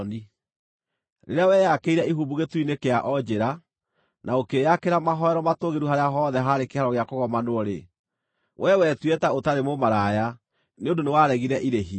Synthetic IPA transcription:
ni | ɾḛɾeawɛjakeiɾɛiɦuːbuɣetwinekeaʔɔd͡ʒeɾa | nʔaokejakeɾamaɦɔɛɾɔmatoɣeɾuɦaɾeaɦɔðɛɦaɾekehaɾɔɣeakoɣɔmanwɔɾe | wʔɛwɛtwɛtaotaɾemomaɾaja | neondonewaɾɛɣiɾɛʔiɾeɦi

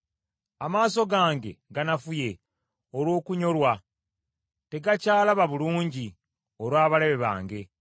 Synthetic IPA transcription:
amaːso̞ɡaːŋɡe̞̰ɡanafuje̞ | olwo̞ːkuɲo̞lwa | te̞ɡacaːlaβaβuluːɲɟi | oɾwaːβale̞βe̞βa̰ːŋɡe̞

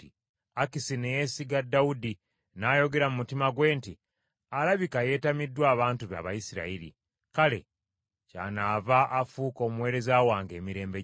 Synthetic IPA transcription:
i | akisinejesiɡadːaudi | naːjo̞ɡe̞ɾamumutimaɡwe̞ːnti | alaβikaje̞ːtamidːwaːβaːntuβa̰ːβajisiɾa̰iɾḭ | kale̞̰ | ca̰naːvaʔːfuːko̞ːmuwe̞ːɾe̞zaːwaːŋɡe̞ːmiɾe̞ːmbe

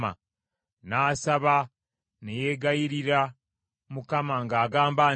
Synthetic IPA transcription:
a̰ | naːsaβa | nejeːɡajiɾiɾa | mukamaŋɡaːɡaːmbaː

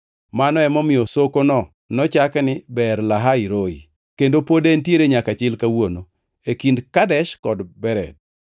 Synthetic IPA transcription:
manɔɛmɔmɪjɔsokonɔ | nɔt͡ʃaknɪbɛɾlaɦaiɾoḭ | kendopodentjeɾeɲakat͡ʃɪlkawono | ekindkadɛʃkɔdbɛɾɛ̰d̚

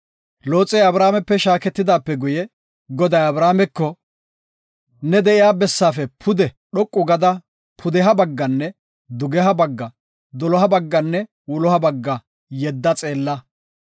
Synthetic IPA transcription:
loːt͡sʼːɛjɐbɾaːmɛpːɛʃaːkɛt̪ːɪd̪aːpːɛɡʊjɛ | ɡɔd̪ɐjɐbɾaːmɛkːɔ | nɛd̪ɛʔɪjaːbɛsːaːfɛpʰʊd̪ɛ | ɗɔkʼːʊɡɐd̪ɐ | pʰʊd̪ɛɦɐbɐɡːɐnːɛ | d̪ʊɡɛɦɐbɐɡːɐ | d̪ɔlɔɦɐbɐɡːɐnːɛ | wʊlɔhɐbɐɡːɐ | jɛd̪ːɐt͡sʼe̞ːlːɐ

